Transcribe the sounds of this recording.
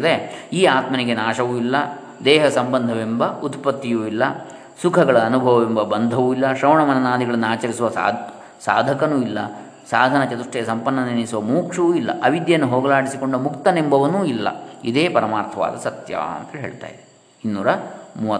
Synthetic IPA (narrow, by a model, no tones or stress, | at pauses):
d̪eiːaːt̪mɐniɡenaːʃɐʋuilːɐ | d̪ɛːɦɐsɐmbɐnd̪ʱɐʋembɐut̪pɐt̪ːijuːilːɐ | sukʰɐɡɐɭɐːnubʱɐʋɐʋembɐbɐnd̪ʱɐʋuːilːɐʃɾɐʋwɳɐmɐnɐnaːd̪ʱiɡɐɭɐnːuaːt͡ʃɐɾisuʋɐ | saːd̪ʱɐkɐnuːilːɐ | saːd̪ʱɐnɐt͡ʃɐt̪uʂʈɛjɐsɐmpɐnːɐninisuʋɐmuːkʂɐʋuːilːɐ̰ʔɐʋid̪jɐnːuɦoːɡɐlaːɽisiko̞ɳɖumukt̪ɐnembʱɐʋɐnuːilːɐ̰id̪eːpɐɾɐmaːɾt̪ʰɐʋa̰ːd̪ɐsɐt̪ja̰ɐ̰nt̪ɐɦe̞̰ːɭt̪a̰ːjid̪e | inːuːɾɐmuːʋɐ